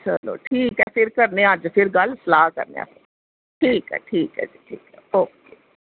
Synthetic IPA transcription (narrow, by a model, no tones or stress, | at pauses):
t͡ʃəlo̰ːʈʰiːkɦɛːfɪɾkəɾneãd͡ʒpʰɪɾɡəlsəlaːkə̰ɾnḛ̃ːã̰ːfʰɪ | ʈʰiːkɛ̰ːʈʰiːkɦɛ̰ːd͡ʒiʈʰiːkɛoːkeː